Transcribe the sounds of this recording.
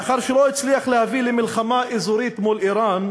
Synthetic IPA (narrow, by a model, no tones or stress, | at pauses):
aχaʁʃeloit͡sliaχlehavilemilχamaʔezuɾit̪mulʔiɾan